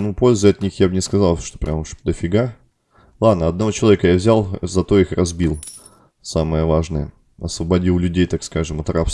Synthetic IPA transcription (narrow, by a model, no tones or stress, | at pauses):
nupo̞lʲzəɐt̪nʲixjabnʲɪskɐzalˠʂt̪o̥pɾʲʔamʂd̪əfʲɪɡa | lˠad̪nəɐd̪nɐvo̞t͡ɕɪlˠɐvʲekəjavzʲalˠzɐt̪o̞ixrɐzbʲilˠ | samɨjəvaʐnəjə̰ | ɐsvəbɐdʲilˠlʲʉdʲejt̪akskaʐɨmɐt̪rafs